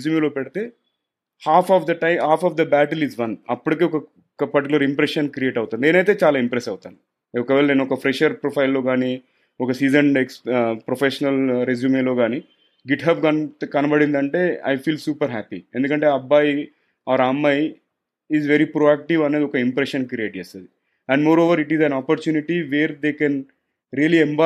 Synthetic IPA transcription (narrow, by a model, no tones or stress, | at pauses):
zjumeloːpɛɽit̪eː | haːpʰɔːʋd̪ɐʈɐjmhaːpʰɔːfd̪ɐbæːʈɐlizʋɐnɐpːuɽikeɔkɐ | kɐpɐɾʈikulɐɾimpɾeʃɐnkɾieːʈɐwut̪und̪eːnɐjt̪̬e̞ːt͡ʃaːlaːimpɾesɐwt̪a̰ni | ɔkɐʋeːlɐneːnuɔkɐpʰɾeʃɐɾpɾopʰɐjlːoːɡaːni | ɔkɐsiːd͡ʒɐnɖekspɾopʰeʃɐnɐlɾezjuːmeːlo̞ːɡaːni | ɡiʈɦaːpɡɐnkɐnɐbɐɽind̪ɐɳʈe̞ːɐ̰jfʰiːlsjuːpɐɾɦæːpḭend̪ukɐɳʈe̞ːɐbːaːj | aːɾamːɐj | izʋeɾipɾoːæːk̚ʈiʋɐneːd̪iɔkɐimpɾeʃɐnkɾieːʈ̚d͡ʒeːst̪ɐd̪i | ɛ̃ɳɖmoːɾoːʋɐɾiʈizɐnaːpoɾt͡ʃuːniʈiʋeːɾd̪eːkɛn | ɾiɐliemba